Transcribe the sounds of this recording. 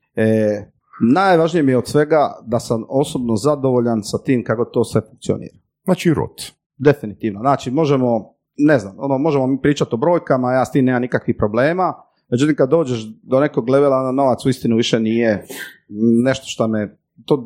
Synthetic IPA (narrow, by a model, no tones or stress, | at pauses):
e | najʋaʒnijemijeod̪sʋe̞ɡad̪asamo̞sobno̞zad̪oʋo̞ʎansat̪iːmkako̞t̪o̞ːsʋe̞fuŋk̚t̪sio̰nḭːɾḁ | aːt͡ʃiɾo̰t̪ | d̪e̞finit̪iːʋnaznaːt͡ʃimo̞ʒemo̞ | ne̞znamonomo̞ʒemo̞miːpɾiːt͡ʃat̪o̞bɾo̞ːjkamajaːst̪iːmneːmamnikakʋipɾo̞bleːma | med͡ʒut̪imkad̪ːo̞ːd͡ʑeʃd̪o̞ne̞koɡleʋelaonano̞ʋat̪suist̪inuʋiʃeniːje | ne̞ʃt̪o̥ʃt̪ame | t̪oː